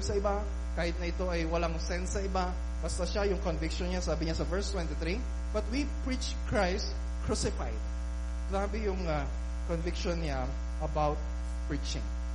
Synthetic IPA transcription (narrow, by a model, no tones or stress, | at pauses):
bsɐʔɪba | kaːhɪt̪̚nɐʔɪt̪o̞ʔɐjwɐlaŋsɛnsːɐʔɪba | b̥ɐst̪ɐʃajʊŋkonvɪkʃonɲasaːbɪɲasɐvɛɹst̪wɛ̃nt̪ɪt̪ɾi | b̥ɐt̪wipɹit͡ʃ | kɹajst̪ | kɹusɪfajd̪̚ | laːbɪjʊŋa | konvɪkʃonɲa | ʔɐbawt̪̚ | pɹit͡ʃɪ̰̃ŋ